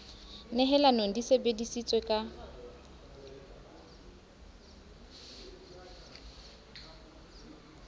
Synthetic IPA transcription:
nɛɦɛlanoŋ̩disebedisit͡sʼwekʼa

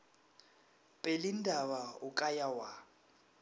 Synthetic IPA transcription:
pʼelindʱaβaukʼajawa

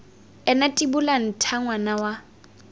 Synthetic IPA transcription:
ɛnatʼibʊlan̩tʰaŋwanawa

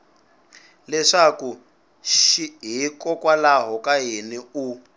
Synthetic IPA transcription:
lɛʂaku | ʃiɦikɔkwalaɦɔkaɦiniu

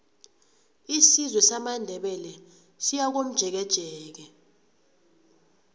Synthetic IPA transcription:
isizwɛsamandʱɛɓɛlɛ | sijak̬om̩d̥ʒ̥ʱɛk̬ɛd̥ʒ̥ʱɛːk̬ɛ

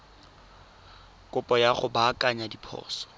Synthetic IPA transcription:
kʼʊpʼɔjaχʊbakʼaɲadipʰɔ̰ːsɔ̥

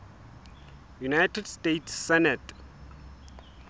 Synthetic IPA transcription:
junajtɛdstetsːɛnɛt

